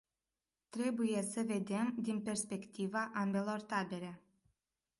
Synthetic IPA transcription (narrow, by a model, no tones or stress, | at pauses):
t̪ɾe̞buje̞səve̞d̪e̞md̪inpe̞rspe̞kt̪ivaʔambe̞lo̞rt̪abe̞ɾe̞